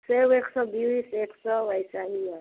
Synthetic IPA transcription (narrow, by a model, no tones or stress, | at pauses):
seweksɔbiwiseksɔwajsaɦiɔ